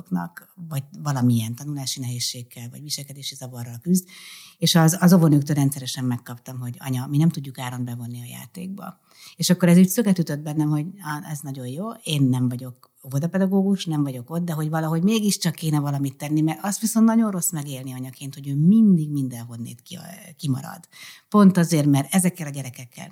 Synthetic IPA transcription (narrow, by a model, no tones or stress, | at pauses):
knɒ̰kvɒɟ̚vɒlɒmiɛnt̪ɒnulaːʃinɛɦeːʃːeːkːɛlvɒ̰ɟviʃɛlkɛd̪eːʃizɒvɒrːɒlkyzd̪eːʃɒzːzo̞vonøːkt̪øːlɾɛnt̪sɛɾɛʃɛmːɛkːɒpt̪ɒmɦo̞ɟɒ̰ɲɒminɛmt̪uɟːukaːɾo̞nbɛvo̞nːiɒja̰ːt̪ḛːɡ̚bɒ̰ | eːʃɒkːo̞ɾɛzyːcsøkɛt̪yt̪ød̪̚bɛnːɛmho̞ɟɛznɒɟo̞jjoːeːnːɛɱvɒɟo̞k | vo̞d̪ɒpɛd̪ɒɡoːɡuʃnɛɱvɒɟo̞ko̞t̪d̪ɛɦo̞ɟvɒlɒɦo̞ɟmeːɡiʃt͡ʃɒkːeːnɛvɒlɒmit̪ːɛnːimɛɾɒst̪ʋisont̪nɒɟo̞nro̞smɛɡeːlniɒɲɒkeːnt̪ho̞ɟøːmind̪iɡmind̪ɛlɦo̞nːḛːt̪kḭkimɒ̰ɾɒ̰d̪̥po̞nt̪ɒzeːrmɛrɛzɛkːɛlɒɟɛɾɛkɛkːɛ̰l